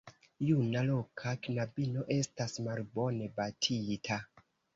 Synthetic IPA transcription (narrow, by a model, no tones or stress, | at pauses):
junalo̞kʰakinabino̞ʔe̞stasmalbo̞ne̞batʰitʰa